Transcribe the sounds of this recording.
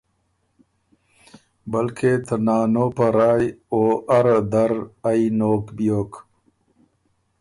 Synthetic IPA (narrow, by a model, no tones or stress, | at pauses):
bɐlkʰet̪ʰɐnaːnoːpɐɾaːjoːʔɐɾd̪ɐɾainoːkbijoːk